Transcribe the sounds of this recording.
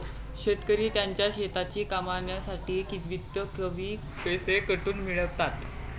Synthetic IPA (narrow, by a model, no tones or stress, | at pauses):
ɕet̪kəɾiːt̪jaɲt͡ɕjaɕet̪at͡ɕiːkamaɳjasaʈiːkit̪ʋit̪jəkəʋiː | pesekəʈuːnmiɭəʋt̪at̪